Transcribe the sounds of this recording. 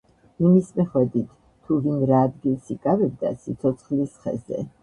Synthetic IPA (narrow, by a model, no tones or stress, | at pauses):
imismɛχwɛd̪it̪ʰːuvinɾaːd̪ɡilˠsikʼavɛb̚d̪a̰sit̪sʰɔt̪sʰχlisχɛ̰zɛ̰